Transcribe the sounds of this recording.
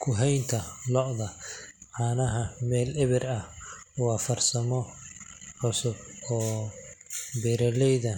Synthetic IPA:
kʰʊɦɛjnt̪ʰɐlɔʔðɐʕaːnɐɦɐmɛːlɪβɪrɐhʊɑfɐrsɐmɔ | ʕʊsʊbɔː | bɛːɾɐlɛjðɐ

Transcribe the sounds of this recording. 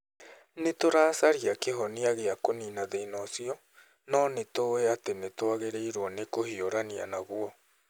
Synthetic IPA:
net̪oɾasaɾiakeɦoniaɣeakoninaðeinosio | nonet̪oeat̪enet̪oaɣeɾeiɾuonekohioɾania̰naɣuo

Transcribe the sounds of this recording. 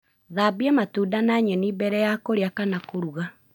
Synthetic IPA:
ðabiɛmatuːdanaɲɛnibɛɾɛjakoɾeakanakoɾuɣa

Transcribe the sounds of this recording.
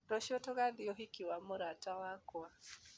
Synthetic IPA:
ɾɔʃiɔtɔɣaðiɔɦikiwamoɾatawakwa

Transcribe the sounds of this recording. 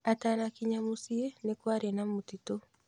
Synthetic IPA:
atanakiɲamusienekwaɾenamutito

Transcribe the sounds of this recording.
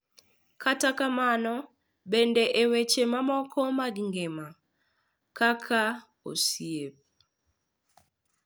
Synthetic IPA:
katakamanɔ | bendeʔewet͡ʃemamɔkʰɔmaɡiŋɡema | kakʰa | o̰siep̚

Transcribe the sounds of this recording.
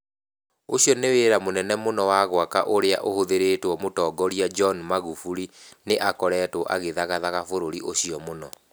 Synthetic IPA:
oɕiɔneweːɾamonɛnɛmonɔwaɣwakaʔoɾea̰ʔohoðeɾeːtwɔmotɔːɡɔɾiad͡ʒɔnmaɣufuɾineʔakɔɾɛːtoʔa̰ɣeðaɣaðaɣafoɾoɾiʔoɕiɔmonɔ

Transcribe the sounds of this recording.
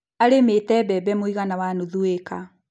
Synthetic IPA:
aɾemetɛbɛbɛmoiɣanawanoðueka

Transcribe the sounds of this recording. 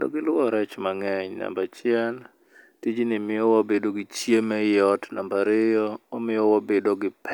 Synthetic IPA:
ndo̰ɡɪlʊwɔɾɛt͡ʃmaŋɛɲna̰mbat͡ʃɪɛn | tid͡ʒinɪmɪɔwabedoɡit͡ʃjemɛjɔtnambaɾɪjɔːmɪjɔwabedoɡɪpʰɛ

